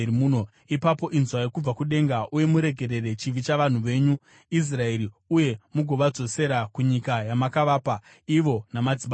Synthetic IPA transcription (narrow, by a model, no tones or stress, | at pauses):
muːno | ipapo̞ʔinzwajekub͡vakuɗe̞ŋɡaʔuje̞muɾe̞ɡʱe̞ɾe̞ɾe̞t͡ʃiʋit͡ʃaʋan̤uʋe̞ːɲu | is̬rae̞ɾi | uje̞muɡʱo̞ʋad͡zo̞se̞ɾakuɲikajamakaʋaːpa | iʋo̞namad͡zima